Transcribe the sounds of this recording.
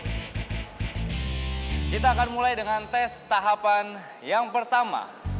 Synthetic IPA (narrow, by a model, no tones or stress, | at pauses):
kit̪aːkanmulajdəŋant̪ɛst̪aɦapan | jaŋpərt̪ama̰